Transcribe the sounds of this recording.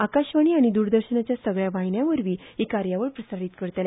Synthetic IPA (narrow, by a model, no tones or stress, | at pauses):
akaɕʋaɽ̃iːaɽ̃id̪uːɾd̪əɾɕənat͡ɕjasəɡɭjaʋajɳjaʋəɾʋiːɦikaɾjaʋəɾpɾəsaɾiːt̪kəɾt̪le